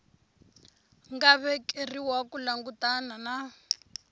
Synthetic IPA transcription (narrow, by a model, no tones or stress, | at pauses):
ŋɡaβɛkʼeriwakulaŋɡutanana